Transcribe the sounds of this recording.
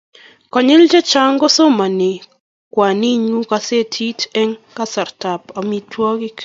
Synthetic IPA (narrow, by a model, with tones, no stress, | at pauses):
kɔ˨ɲɪ˦ld͡ʒe˦t͡ʃa˦ŋɡo˦so˦ma˨nɪ˨ | kwa˨ni˦ɲu˦ka˦se˦tʰi˦tɛ˦ŋka˦sa˨rta˨pa˨mi˨tʰwɔ˦ɡɪ˦k